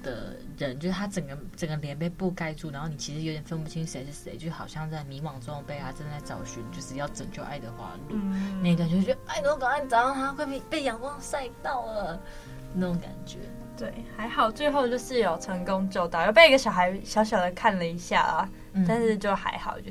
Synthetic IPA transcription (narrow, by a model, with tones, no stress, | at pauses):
d̪̥ə̰˩ɻə˧˦nt͡ɕjo˥˧ʊʂɻ̩ʰ˥˩a˥ʈ͡ʂə˨˩ŋɡə˦ʈ͡ʂə˨˩ŋɡə˦ljɛ˧˦npe˥˧ɪpu˥˧ka˥˧ɪʈ͡ʂu˥˨na˧˥nxo˥˩ni˨˩t͡ɕʰi˧˥ʂɻ̩˧˥jt̪jɛ˨˩fə˥npu˥˩t͡ɕʰi˥ŋʂe˧ɪʂɻ̩˥˩se˧˥ɪt͡ɕo˥˧˩xɑ˨˩ʊɕjɑ˥˧ŋt͡sa˥˩ɪmi˧˥wɑ˨˩ŋt͡sʊ˧˦ŋpe˥˧ɪt̪a˥ʈ͡ʂa˥˧nt͡sa˥˩ɪt͡sɑ˨˩ʊɕy˧˥nt͡ɕjo˥˧ʂɻ̩˥˧jɑ˥˩ʊʈ͡ʂə˨˩ŋt͡ɕjo˥˧ʊʔa̰˥˩ɪd̪ə˨˩xwa̰˧˥lu˥˨na˥˧ɪi˥t̪wt͡ɕo˥˧˥t͡ɕa˥˩ɪno˧˥kɑ˨˩ŋa˥˩nt͡sɑ˨˥a˥xwe˥˧ɪe˥˩pe˥˩ɪjɑ˨˩ŋkwɑ˥ŋsa˥˧ɪt̪ɑ˥˩ʊlə˨˩ | na˥˩o˧˦ŋka̰˨˩nt͡ɕɥɛ̰˧˥˦ | t̪we˥˩ɪxa˧˥ɪxɑ˨˩ʊt͡swe˥˧ɪxo˥˧ʊt͡ɕjo˥˧ʊʂɻ̩˥˧jɑ˨˩ʊʈ͡ʂʰə˧˥ŋko˥ŋt͡ɕo˥˧ʊt̪ɑ˥˨ʊjp̬e˥˩i˥ɡə˩ɕjɑ˨˩ʊxa˧˥ɪɕjɑ˧˥ʊɕ̬jɑ˨˩ʊd̪ə˩˦kʰa˥˩nlə˩i˧˥ɕja̰˥˩lə̰˩ | t̪a˥˧nʂɻ̩˥˧t͡ɕjo˥˩ʊxa̰˧˥ɪxɑ˨˩ʊt͡ɕo˥˧˩